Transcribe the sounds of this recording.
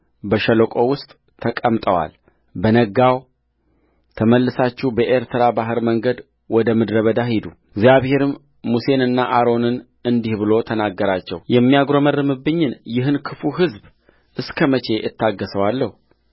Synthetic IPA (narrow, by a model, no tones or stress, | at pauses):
bəʃələkʼo̞wʊst̪ʼ | t̪ʰəkʼəmt̪ʼəwa̰l | bənəɡaw | t̪ʰəməlːɨsat͡ʃːibəʔeɾt̪ʰəɾabaɦɨɾməŋɡəd̪ | wɔd̪əmɨd̪ɾəβəd̪ahid̪u | ɡzijaβhe̞ɾɨmː | use̞nɨnːaʔaɾo̞nɨn | ɨnd̪ihbɨlo̞t̪ʰənaɡːəɾat͡ʃːɛ̰wjɛmːijaɡɾo̞mərːɨmɨbːɨɲːɪnjɪɦɨnkʰɨfuɦɨzb | ʔɨskʰəmət͡ʃʰe̞jʔɪ̰t̪ːaɡːəsəwalːəhu